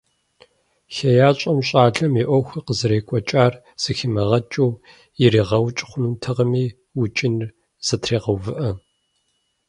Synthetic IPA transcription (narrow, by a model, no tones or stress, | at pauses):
xɐjaːɕʼɐmɕʼaːɮɐmiʔʷɔxʷɐqəzɨɾeːkʷʼɔt͡ʃʼaːr | z̥ɨxɪmɐʁɐt͡ʃʼuː | jɪɾiːʁɐwt͡ʃʼχʷʊnutʰɐʁəmiː | wʊt͡ʃʼɪnr | z̥ɐtʰreːʁɐwvɨʔɐ